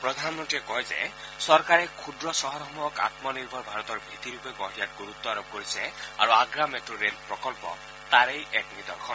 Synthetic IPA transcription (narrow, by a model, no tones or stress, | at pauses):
pɾɔd̪ʱanmɔɳʈiɾekɔɦed͡ʒḛ | sɔɾkaɾekʰud̪ɾɔsɔɦɔɾɔmɔka̰t̪mɔniɾbʱɔɾbʱaɾɔt̪ɔɾbʱit̪iɾupebɔɦijat̪̚ɡuɾut̪ːɔaɾɔb̚koɾisea̰ɾuaɡɾameʈɾoɾelpɾɔkɔlpɔ̰ | t̪aɾejʔeʈmid̪ɔkʰɔn